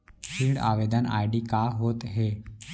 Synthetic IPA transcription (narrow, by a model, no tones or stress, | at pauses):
pʰiɖa̰ʋeːd̪əna̰ːjɖiːkaːɦoːt̪ɦeː